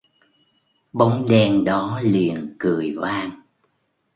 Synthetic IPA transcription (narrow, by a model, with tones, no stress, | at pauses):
ɓo˨˦wŋ͡mɗɛ˧nɗɔ˨˦li˨˩ənkɨ˨˩əjvaː˧n